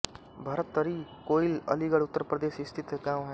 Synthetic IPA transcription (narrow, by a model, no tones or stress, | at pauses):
bʱɐɾət̪ːəɾikoːilə̰liɡəɽʊt̪ːəɾpɾəd̪eːʃɪst̪ʰɪt̪kãːmɦɛ